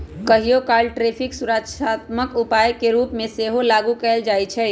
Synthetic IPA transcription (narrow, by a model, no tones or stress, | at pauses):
kəɦijokalʈɾepʰiksuɾəʃʰat̪məkupajkeɾupmẽseɦolaɡukɛld͡ʒajt͡ʃʰɛ